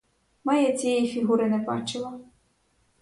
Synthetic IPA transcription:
mɐjɛt͡sʲijɛjifʲiɦuɾɪnɛbɑ̰t͡ʃɪlˠɐ

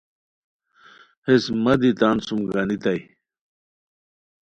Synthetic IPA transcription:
hesmɐd̪it̪aːnsumɡɐnit̪ɐj

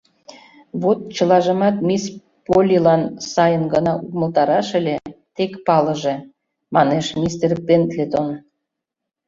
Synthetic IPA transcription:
βot̪̚t͡ɕəlɑʒə̆mɑt̪mis | polʲilɑnsɑjənɡənɑʔukməlt̪ɑɾɑʃĕlʲet̪ekpɑləʒe | mɑneʃmʲist̪erpent̪lʲet̪on

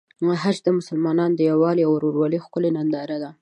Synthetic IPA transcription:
ɦad͡ʒd̪əmʊsəlmɑnɑnd̪əjawɑleawɾoɾwɑlixkʊlenand̪ɑɾad̪a

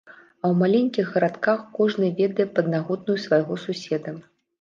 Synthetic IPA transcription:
ɐwmalʲenʲkʲiɣɣɐɾat̪kaxkɔʐnɨvʲɛd̪ɐjɛpɐd̪̚naɣɔd̪̚nujusvajɣɔsusʲɛd̪ɐ

